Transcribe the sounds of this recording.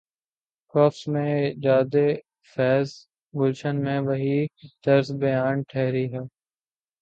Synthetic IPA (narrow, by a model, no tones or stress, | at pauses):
kɔːfsmẽːd͡ʒaːd̪eː | fɛːz | ɡʊlʃənmẽːʋəɦid̪̥ɐɾzbəjaːnʈʰɛɦɾiːɦɛː